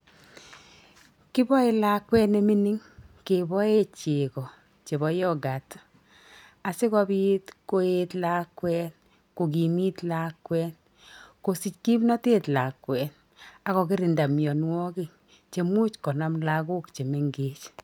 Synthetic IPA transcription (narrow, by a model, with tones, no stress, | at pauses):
kɪ˦bɔ˦e˨la˦kwɛ˦ne˦mi˦ni˦ŋke˨bɔ˦e˦t͡ʃe˨kɔ˨ | t͡ʃe˨bɔ˨˦jɔ˦ɡa˨t | a˨sɪ˦kɔ˦bi˦tko˦etla˦kwɛ˦n | ko˨k̬i˨mi˦tla˦kwɛ˦n | ko˨si˨t͡ʃki˦mnɔ˦te˦tla˨kwɛ˨n | a˨ɣɔ˨kɪ˦ɾi˨nda˨mjɔ˨nwɔ˦kɪ˨ŋ | t͡ʃe˨mu˦t͡ʃkɔ˨na˦mla˦ɡo˦kt͡ʃe˨me˨ŋɡe˨t͡ʃ